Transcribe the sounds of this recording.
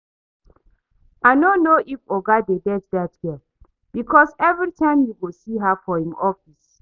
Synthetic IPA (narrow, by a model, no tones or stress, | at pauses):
aɪnonoʔifoɡadedɛtdatɡia | b̥ikʰɔsɛvɹitʰãɪ̃mjuɡosiɦafɔhĩmɔfis